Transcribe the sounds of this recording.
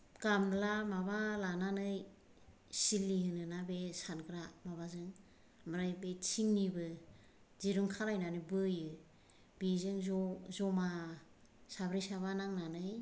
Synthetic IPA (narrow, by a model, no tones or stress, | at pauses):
ɡamlamabalananɯj | silːiɦɯnɯnabesanɡɾamaβazɯŋ | mɯɾajbet͡ʃʰiŋnibɯ | ziɾuŋkʰaɾajnanɯjbɯjɯ | bizɯŋzzɔma | sabɾijsaβanaŋnanɯj